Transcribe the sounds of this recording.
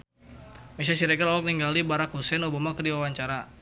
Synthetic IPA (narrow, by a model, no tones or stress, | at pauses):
mesas̬iɾɛɡərɔwɔk̚niŋɡalibaɾakhusɛnubamakərdiwawaɲt͡ʃaɾa